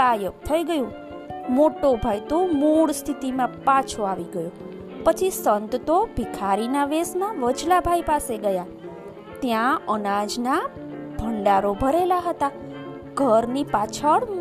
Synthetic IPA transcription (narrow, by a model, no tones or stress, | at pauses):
ajəkt̪ʰəiɡəjũ | moʈobʱajt̪omuɭst̪ʰit̪imãpat͡ʃʰoaʋiɡəjo | pət͡ʃʰisənt̪t̪obʱikʰaɾinaʋesnaʋəd͡ʒlabʱajpaseɡəja | t̪jãənad͡ʒna | bʱəɳɖaɾobʱəɾelaɦət̪a | ɡʱəɾnipat͡ʃʰəɽ